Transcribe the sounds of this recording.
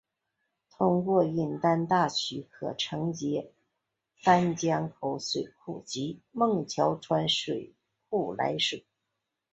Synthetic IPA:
t̪ʰʊ˥ŋkwɔ˥˧i˥˩nt̪a˥nt̪a˥˩t͡ɕʰy˧˥kʰɤ̰˨˩ʈ͡ʂʰɤ˧˥ŋt͡ɕjɛ˧˥ | fa˥nt͡ɕjɑ˥ŋkʰo˧˥ʊswe˨˩ɪkʰu˥˩t͡ɕi˧˥mɤ˥˩ŋt͡ɕʰjɑ˧˥ʊʈ͡ʂʰwa˧˥nʂwe˨˩ɪ | ku˥˩la̰˧˥ɪʂwe˨˩˦

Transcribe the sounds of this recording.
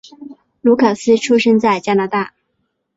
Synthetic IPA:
lu˧˥kʰa˨˩sɹ̩˥ʈ͡ʂʰu˥ʂɤ˥ŋt͡sa˥˩ɪt͡ɕja˥na˧˥t̪a˥˩

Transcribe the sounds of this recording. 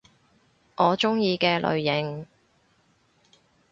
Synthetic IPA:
ʔɔː˨˧t͡ʃʊ˥ŋjiː˧kɛː˧lʔɵ̰˨˧ɥjɪ˨˩ŋ

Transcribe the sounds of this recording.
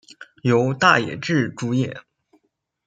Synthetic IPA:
jo˧˥ʊt̪a˥˩jɛ̰˨˩ʈ͡ʂɻ̩˥˩ʈ͡ʂu˥jɛ˥˩˦

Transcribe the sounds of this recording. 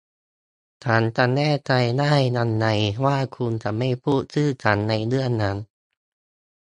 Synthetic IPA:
t̪ʰaː˨˦nt͡ɕa˨˧˩nɛː˥˩t͡ɕa˧jdaː˥˩jna˧nːa˧˦jwaː˥˩kʰu˧nt͡ɕa˧˩ma˥˩jpʰuː˥˩t̪̚sɯː˥˩t͡ɕʰa˩˦nːa˧jnɯ˥˩ənːa˦˥n

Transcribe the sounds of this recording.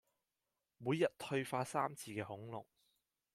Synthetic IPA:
muː˨˧jːɐ˨t̚t̪ʰɵ˧ɥfaː˧saː˥mt͡sʰiː˧kɛː˧hʊ˨˥ŋlʊ̰˨k̚

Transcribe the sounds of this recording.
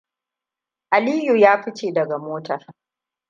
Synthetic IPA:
ʔa˨liː˦ju˨jaː˦ɸɪ˦t͡ʃeː˨dɐ˨ɡa˨moː˦tɐ˨r

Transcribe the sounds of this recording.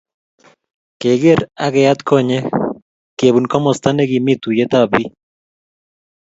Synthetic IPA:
ke˨ɡe˦ɾa˦ɡɛ˨ja˦t̪kʰɔ˦ɲɛ˦ | ke˨bu˨nkɔ˦mɔ˨st̪a˦nɛ˦ɡi˨mi˦t̪u˨jɛ˦t̪a˦bi˦

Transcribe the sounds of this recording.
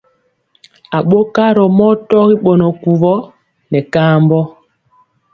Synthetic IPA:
a˨ɓo˦ka˦ɾɔ˨mɔ˦tɔ˦ɣi˦ɓɔ˨nɔ˨ku˨vɔ˦ | nɛ˨kaː˦mbɔ˦

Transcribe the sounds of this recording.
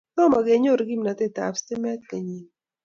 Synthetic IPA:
tɔ˦ma˨ɡɛ˨ɲo˦ɾɡi˦mna˨t̪ɪ˦ta̰˨fstɪ˦mɛ˦t̪̚ke˨ɲi˨n

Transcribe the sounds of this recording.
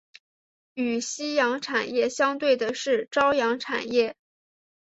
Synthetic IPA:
y˨˩ɕi˥jɑ˧˥ŋʈ͡ʂʰa˨˩njɛ˥˩ɕjɑ˥ŋt̪we˥˩ɪd̪ə˩ʂɻ̩˥˩ʈ͡ʂɑ˥ʊjɑ˧˥ŋʈ͡ʂʰa̰˨˩njɛ˥˩

